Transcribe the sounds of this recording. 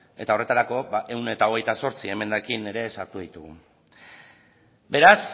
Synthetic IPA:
e̞̰t̪ao̞re̞t̪aɾako̞baʔe̞wne̞t̪ao̞ɣe̞jt̪aso̞ɾt͡sie̞me̞nd̪akine̞ɾe̞ːsaɾt̪uðit̪uɣṵ | be̞ɾas

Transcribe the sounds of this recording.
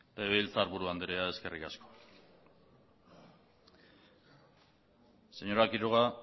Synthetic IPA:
et̪aeβeilt͡saːɾβuɾuand̪eɾeae̞ske̞rʔikasko̥ | se̞ɲo̞ɾakiɾoɣa

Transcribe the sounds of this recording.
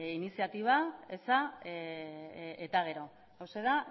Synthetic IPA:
inisiat̪iβaesa | et̪aɣ̞e̞ɾo̞ | awse̞ða

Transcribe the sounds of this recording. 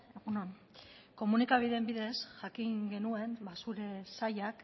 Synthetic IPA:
eɣunon | ko̞munikaβ̞iðembiðesʝakiŋɡe̞nue̞mbasuɾe̞sajak

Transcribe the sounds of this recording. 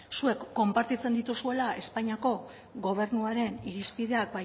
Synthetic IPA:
sue̞kːo̞mpaɾt̪it͡se̞nd̪it̪usue̞lae̞spaɲiako̞ | ɣo̞β̞e̞ɾnuaɾe̞niɾispið̞e̞ak̚ba

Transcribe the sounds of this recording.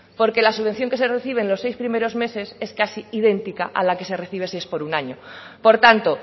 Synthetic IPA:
po̞ɾke̞lasuβen̟θjo̞ŋke̞sereθiβ̞e̞nlo̞sejspɾimeɾo̞zme̞se̞se̞skasiið̞e̞nt̪ikaʔa̰lake̞se̞re̞θiβ̞e̞siespo̞ɾunaɲopo̞ɾt̪ant̪o

